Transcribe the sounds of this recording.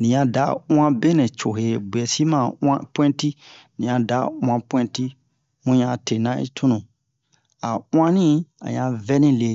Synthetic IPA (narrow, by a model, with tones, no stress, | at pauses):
nĩ˨ɲã˧dã˦ã˦be˦nɛ̃˨t͡ʃo˨he˨bɛ˨si˦mã˦˨ã˦pwɛ̃˦ti˦ | nĩ˨ã˧da˨˦w̃ã˧pwɛ̃˦ti˦ | mũ˦ɲã˧˨te˨nã˦ʔḭ˦tʰũ˦nũ˨ | a˨w̃ã˦nĩ˦a̰˨ɲã˧vɛ˦nĩ˦le˧˨